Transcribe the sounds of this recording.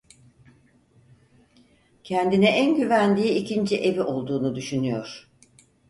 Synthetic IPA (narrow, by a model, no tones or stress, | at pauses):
cʰɛnd̪inɛʔænɟyvænd̪iːicʰind͡ʒiʔe̞viʔo̞lˠd̪uːnud̪yʃynyjo̞ɾ̥